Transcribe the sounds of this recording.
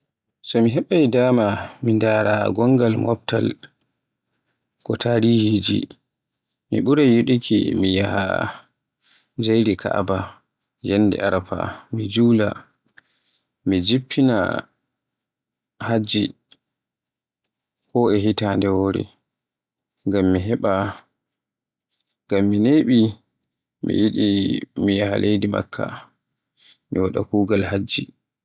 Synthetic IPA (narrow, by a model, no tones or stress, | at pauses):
sɔmiɦɛɓajdaːmamindaːɾaɡɔŋɡalmɔp̚ta̰l | kɔtʰaɾihid͡ʒḭ | mḭɓuɾɛjuɗikʰḭmijaha̰ | d͡ʒejɾikʰa̰ʔaba | jɛnːdɛ̰aɾapa̰mid͡ʒuːla̰ | mid͡ʒipʰːina̰ | had͡ʒːi | kʰɔʔɛɦitaːndɛwoːɾḭ | ŋɡamːiɦɛɓa | ŋɡamːineːɓi | mḭjiɗimijahalʔejdima̰kʰːa̰ | miwaɗa̰kuːɡalhad͡ʒːi